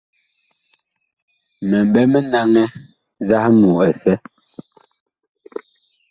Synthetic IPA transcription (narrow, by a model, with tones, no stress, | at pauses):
mɛ˨m˨bɛ˦mɛ˦na˦ŋɛ˦ | za˦hmuː˨ɛ˨sɛ˦